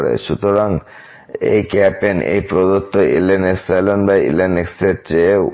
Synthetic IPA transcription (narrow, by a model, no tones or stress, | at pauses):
ɽḛʃut̪oɾaŋ | ḛjkɛpenḛjpɾod̪ot̪ːoʔileneksajlonbaḭlenekset͡ɕe